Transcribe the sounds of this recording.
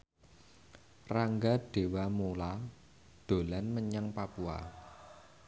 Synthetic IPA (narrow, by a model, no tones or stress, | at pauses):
raŋɡaɖ̥e̤wamola | d̪̥o̤lanməɲaŋpapua̰